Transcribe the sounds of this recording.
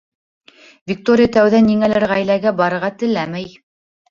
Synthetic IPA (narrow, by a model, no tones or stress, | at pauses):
vʲik̚t̪oɾʲɪjat̪æwðæniŋælæɾʁæjlæɡæbɑɾɤ̆ɾʁɑt̪ɘ̆læmæj